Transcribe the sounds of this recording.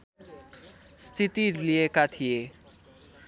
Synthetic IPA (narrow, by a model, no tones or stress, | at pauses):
st̪ʰit̪iliekat̪ʰije